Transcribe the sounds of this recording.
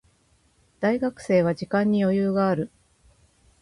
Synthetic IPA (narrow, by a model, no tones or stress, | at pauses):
d̪̥aiɡakɯ̟̥se̞ːβ̞ad͡ʑikãɲ̟ːijo̞jɯːɡaːɾɯ̟